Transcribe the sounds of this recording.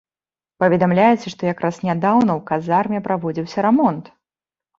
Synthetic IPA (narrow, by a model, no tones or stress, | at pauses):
pɐvʲɛd̪amlʲajɛt͡sʲɛʂt̪ɔjakɾʔasnʲad̪awnɐwkazarmʲjɛpɾavɔd͡zʲiwsʲɐɾɛmɔnt̪